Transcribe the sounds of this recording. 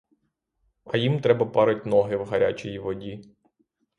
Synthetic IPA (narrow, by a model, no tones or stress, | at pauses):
ɐjimt̪ɾɛbɐpɑɾɪt̚ʲnɔɦɪwɦɐɾʲa̰t͡ʃijiʋɔdʲi